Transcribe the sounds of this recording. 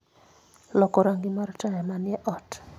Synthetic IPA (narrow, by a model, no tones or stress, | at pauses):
lɔkɔɾaŋɡimaɾɔtajamanɪɛʔɔt